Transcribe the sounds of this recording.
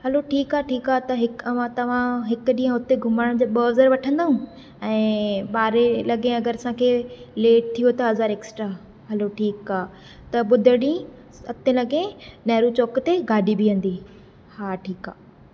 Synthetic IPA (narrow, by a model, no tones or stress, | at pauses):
ɦɐloʈʰiːkaːʈʰiːkaːt̪ɐɦɪkɐʋ̤ãt̪ɐʋ̤ãɦɪkʊɗĩːə̃ʊt̪eɡʱʊmaːɽ̃d͡ʑeːɓəːzəɾʋɐʈʰə̃nd̪aɦũ | ɛ̃ːɓaːɾelɐɡẽɐɡəɾsãkʰeːleːʈ̚t̪ʰijot̪ɐɦɐzaːɾeːksʈɾaː | ɦɐloʈʰiːkaː | t̪ɐɓʊd̪ʱəɽĩ | sɐt̪ẽlɐɡẽnɐɦɾut͡ɕoːkt̪eɡaːɖibʱijɐ̃nd̪i | haːʈʰiːkaː